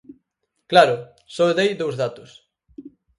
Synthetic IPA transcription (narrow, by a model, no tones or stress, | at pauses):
klaɾʊ | sɔeðejðowzðat̪ʊs